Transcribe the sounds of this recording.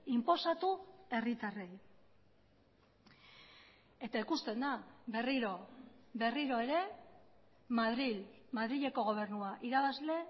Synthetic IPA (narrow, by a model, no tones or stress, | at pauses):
impo̞sat̪ue̞rit̪are̞j | e̞t̪aikust̪e̞nd̪aβe̞riɾo̞βe̞riɾo̞e̞ɾe̞ | maðɾil | maðɾiʎe̞ko̞ɣ̞o̞β̞e̞rnuaʔiɾaβazle̞